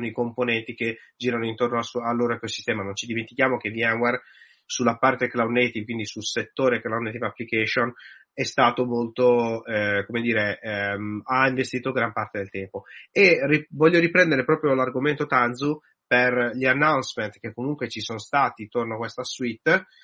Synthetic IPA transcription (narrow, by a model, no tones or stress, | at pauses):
sonoikomponɛnt̪ik̟ed͡ʒiːɾanoint̪ornoasalːoːɾoekosist̪ɛːmanõnt͡ʃid̪iment̪ik̟jaːmokevianwɛr | sulːapart̪eklawnet̪ivkwind̪isulset̪ːoːɾeklawnet̪ivapːlikɛʃonɛst̪aːt̪omolt̪oɛkomed̪iːɾemaiɱvest̪iːt̪oɡɾampart̪ed̪elt̪ɛmpoerivɔʎːoɾipɾɛnd̪eɾepɾɔːpɾjolarɡoment̪ot̪anzu | perʎanːawnsmẽnt̪k̟ekːomuŋkwet͡ʃisonst̪aːt̪int̪ornoakwest̪aswit̪ː